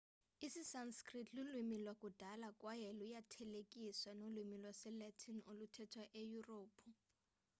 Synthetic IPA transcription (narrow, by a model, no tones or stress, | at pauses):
isisanskritʰlulwimilwakʼud̥ʱalakʼwajɛlujatʰɛlekʼiswanolwimilwɔsɛlɛtʰinolutʰɛtʰwaʔejuroːpʰu